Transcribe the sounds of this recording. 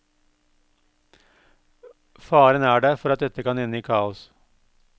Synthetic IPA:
fɑːɾənæːɖeːfɔɾɑt̪̚d̪ɛt̪əkɑnɪnəiːkʰɑːʊs

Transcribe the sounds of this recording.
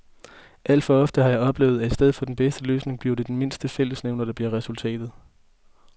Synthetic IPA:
ʔæl̰d̥fɒ̽ɒ̽fd̥əhɑ̈jɑ̈ɪɒ̽b̥le̝ːʊð̩ˠæi̥sd̥eð̞̰ˠfɒ̽d̥enb̥esd̥əlø̰ːsne̝ŋb̥liɐd̥e̝d̥enme̝nsd̥əfel̰əsneʊnɐd̥ɑ̈b̥liɐʁɛsult͡sʰɛ̰ːd̥ð̩ˠ

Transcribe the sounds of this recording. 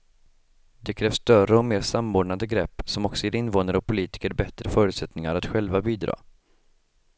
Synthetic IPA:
d̪ɛkʰɾɛːvst̪œrəɔmeːɾsamːoːɖɳad̪əɡɾɛpːsɔmɔksɔjeːɾɪnvoːnəɾɔk̚pʰʊliːt̪ɪ̥kəɾbɛt̪ɾəfœːɾʉ̟ːt̪sɛt̪nɪŋaɾat̪ɧɛlvabiːd̪ɾɑ̰ː

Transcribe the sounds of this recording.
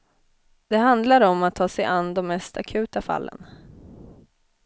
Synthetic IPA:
d̪̥ɛɦand̪laɾɔmːat̪ʰːɑːsɛjʔanːd̪ɔmːɛst̪ʰakʰʉ̟ːt̪afa̰lːʔə̰n

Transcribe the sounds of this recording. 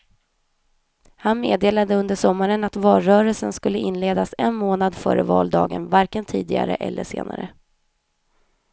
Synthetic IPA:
hanmeːd̪eːlad̪əɵnd̪əʂɔmːaɾənat̪vɑːlɾœːɾəlsənskɵlːəɪnleːd̪asɛnmoːnad̪fœ̰ːɾəvɑ̰ːld̪ɑːɡənvaɾkənt̪ʰiːd̪ɪɡa̰ɾə̰ʔɛlːəʂḛːna̰ɾə

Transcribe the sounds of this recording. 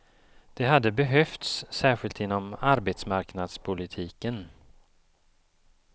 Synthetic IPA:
d̪̥ɛɦad̪ːəbɛɦœft̪sːæːɧɪlt̪ɪnːɔmaɾbet̪smaɾknad̪spʰʊlɪt̪ʰiːkən

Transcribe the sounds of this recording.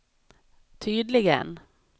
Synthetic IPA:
t̪ʰyːd̪lɪɡə̰n

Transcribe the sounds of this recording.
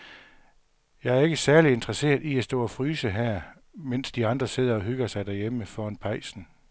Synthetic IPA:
jɑ̈ɪæɐe̝ɡ̥əsæɐlie̝nd̥ʁɐse̝̰ːɐðˠiæsd̥ɔ̰ːæfʁyːsəɦæɐ̰ | men̰sd̥iɑ̈nd̥ʁɐse̝ð̞̰ˠɐɒ̽ɦyɡ̥ɐsɑ̈ɪd̥æɐjeməfɒnpʰɑ̈ɪsn̩

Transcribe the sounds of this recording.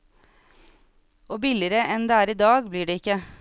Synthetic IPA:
ʔoːbɪlɪɾəʔɛnd̪eːæːɾiːd̪ɑːɡbliːɖeːɪkə

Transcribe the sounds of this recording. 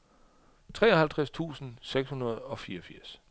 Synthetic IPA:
t͡sʰʁɛ̰ːɒhælt͡sʰʁast͡sʰṵːsn̩seɡ̥shunɐð̞̩ˠɒ̽fiːɐɒfiɐ̰s

